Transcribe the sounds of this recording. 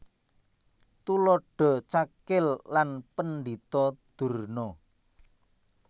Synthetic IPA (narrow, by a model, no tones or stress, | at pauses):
t̪ulɔɖ̥ɔ̤t͡ʃakɪlːanpənd̪it̪ɔd̪̥ṳrnɔ